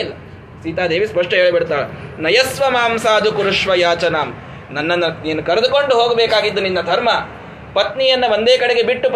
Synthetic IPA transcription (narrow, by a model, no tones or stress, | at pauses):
lːɐ | siːt̪aːd̪eːʋispɐʂʈɐɦeːɭibiɽt̪aːɭenɐjɐsʋɐmaːmsaːd͡ʒ̪ukuɾuʂʋɐjaːt͡ʃɐnaːm | nɐnːɐnːɐniːɐnːukɐɾed̪ukoɳɖuɦoːɡɐbeːkaːɡid̪ːuninːɐd̪ʱɐɾmɐ | pɐt̪nijɐnːɐʋond̪eːkɐɽeɡe̞biʈːup